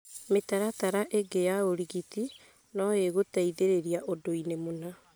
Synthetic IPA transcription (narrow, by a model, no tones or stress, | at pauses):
metaɾataɾaʔeɡejaoɾiɣiti | nɔeɣotaiðeɾeɾiaʔodoinemona